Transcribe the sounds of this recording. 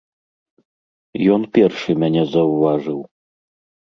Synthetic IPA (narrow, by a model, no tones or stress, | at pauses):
jɔnpʲɛrʂɨmʲanʲɛzɐwvaʐɨw